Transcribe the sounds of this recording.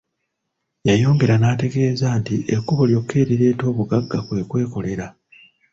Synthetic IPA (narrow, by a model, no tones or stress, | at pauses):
jajo̞ːŋɡe̞ɾanaːte̞ɡe̞ːzaːntiʔekːuβo̞ljo̞kʰːe̞ːɾiɾe̞ːto̞ːβuɡaɡːakwe̞kwe̞ːko̞le̞ɾa